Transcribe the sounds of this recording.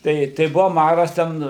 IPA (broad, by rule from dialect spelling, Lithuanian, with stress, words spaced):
ˈtɐɪ tɐɪ ˈbʊʋɐ ˈmɑːrɐs ˈtʲɛn